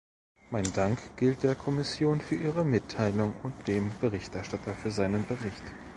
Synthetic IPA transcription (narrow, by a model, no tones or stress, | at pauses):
maɪndaŋkɡ̥ɪlt̚d̥eːɐkʰɔmɪsjoːnfyːɐʔiːʁəmɪtʰːaɪlʊŋʊnt̚d̥eːmb̥əʁɪçtʔɛɐʃtatʰɐfyːɐzaɪnənbəʁɪçt